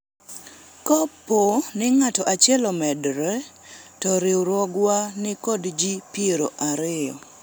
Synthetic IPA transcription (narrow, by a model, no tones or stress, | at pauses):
kɔpːonɪŋatɔʔat͡ʃɪɛlɔmɛdɾɛ | tɔɾɪwɾwɔɡwanɪkɔdd͡ʒipieɾo̰ʔaɾɪjɔ